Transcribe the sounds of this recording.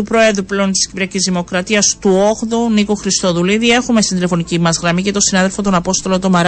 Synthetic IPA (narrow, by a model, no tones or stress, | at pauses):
upɾo̞e̞ðɾuple̞o̞nt̪i̥scipɾiɐcizðimo̞kɾɐt̪iɐst̪uoɣðunikoxɾist̪o̞ðuliðie̞xume̞st̪ind̪ile̞fo̞nicimɐzɣɾɐmice̞t̪o̞sinɐðe̞lfo̞t̪o̞nɐpo̞st̪o̞lo̞t̪o̞mɐɾ